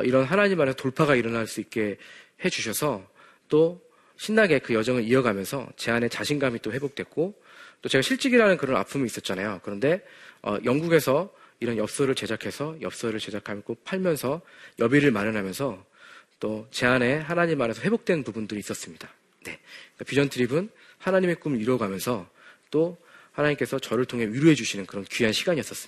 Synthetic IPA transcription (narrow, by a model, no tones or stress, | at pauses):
ʌiɾʌnɦanaɲimːane̞sʰʌtoɭpʰaɡaiɾʌnaɭs͈uit̚k͈e̞ | he̞d͡ʑuɕ̬ʰʌsʰʌ | t͈o | ɕʰinːaɡe̞kɯjʌd͡ʑʌŋɯɾiʌɡamjʌnsʰʌ̰t͡ɕe̞ane̞t͡ɕaɕʰinɡamit͈oɸe̞bok̚t͈wet̚k͈o | t͈ot͡ɕe̞ɡaɕʰiɭt͡ɕ͈iɡiɾanɯnkɯɾʌna̰pʰumiːs͈ʌt̚t͡ɕ͈anajokɯɾʌnde̞ʌ̰jʌŋɡuɡe̞sʰʌ | iɾʌnjʌp̚s͈ʌɾɯɭt͡ɕe̞d͡ʑakʰe̞sʰʌjʌp̚s͈ʌɾɯɭt͡ɕe̞d͡ʑakʰamjʌk͈opʰaɭmjʌnsʰʌjʌbiɾɯɭmaɾɯnɦamjʌnsʰʌ | t͈ot͡ɕe̞ane̞ɦanaɲimːane̞sʰʌɸwe̞bok̚t͈we̞nnpubundɯɾiːs͈ʌs͈ɯmɲida | ne̞kapid͡ʑʌntʰɯɾibɯn | hanaɲime̞k͈umiɾʌɡamjʌnsʰʌ | t͈ohanaɲimk͈e̞sʰʌt͡ɕʌɾɯɭtʰoŋɦe̞ɥiɾuɦe̞d͡ʑuɕʰinɯnkɯɾʌnkɥɦanɕʰiɡaɲiʌs͈ʌs͈ɯmi̥